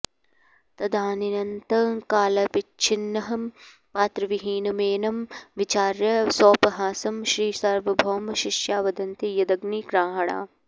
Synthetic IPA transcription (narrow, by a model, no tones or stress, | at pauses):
t̪ɐd̪ʱaːninɐnt̪ɐkaːlɐpɪt͡ʃʰɪnːɐɦɐm | paːt̪ɾɐʋiɦiːnɐmeːnɐmʋɪt͡ʃaːɾjɐsoːpɐɦaːsɐmʃɾiːsɐɾʋɐbʱoːmɐʃɪʃjaːʋɐd̪ɐnt̪ijɐd̪ɐɡniɡɾaːɦɐɽa̰ː